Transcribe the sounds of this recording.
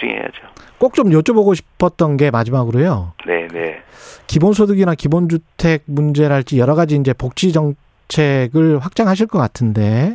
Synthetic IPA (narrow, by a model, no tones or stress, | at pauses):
ṵŋḛja̰d͡ʑiok͈ok̚t͡ɕ͈omjot͡ɕ͈oboɡoɕʰi̥pʰʌt̚t͈ʌnɡe̞mad͡ʑimaɡɯɾojone̞ne | kibonsʰodɯɡinakibond͡ʑuttʰe̞ɡ̚mund͡ʑeɾɦaɭt͡ɕ͈ijʌɾʌɣad͡ʑiːnd͡ʑe̞pok̚t͡ɕ͈ʰid͡ʑʌŋ | t͡ɕʰe̞ɡɯɭɸwak̚t͡ɕ͈aŋɦaɕ̬ʰiɭk͈ʌk͈atʰɯnde̞